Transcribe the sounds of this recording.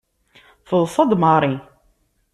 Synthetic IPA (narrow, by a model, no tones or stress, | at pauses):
fəðˤsˤɑd̪mɑɾˤi